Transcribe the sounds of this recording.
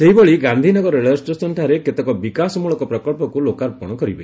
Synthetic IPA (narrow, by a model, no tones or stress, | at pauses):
seɦiboɭiɡand̪ʱinɔɡɔɾeɭesʈɾesɔnʈʰaɾeket̪ɔkɔbikasɔmuɭɔkɔpɾɔkɔɭpɔkulokaɾpɔɽ̃ɔkɔɾibḛ